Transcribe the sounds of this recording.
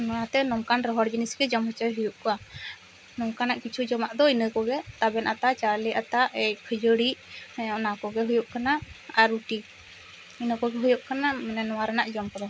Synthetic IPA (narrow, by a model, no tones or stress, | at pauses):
nɔat̪ɛnɔmkanɾɔɦɔɽbinisɡɛd͡ʒɔmɦɔt͡ʃəjɦujuʔkɔa | nɔmkanaʔkit͡ʃʰud͡ʒɔmaʔd̪ɔinəkɔɡɛt̪abɛnʔat̪at͡ʃalɛʔat̪aʔɛjkʰəd͡ʒəɽiʔɔnakɔɡɛɦujuʔkanaaɾuʈi | inəkɔɡɛɦɔjuʔkanamɛnɛnɔwaɾanaʔd͡ʒɔmkɔd̪ɔ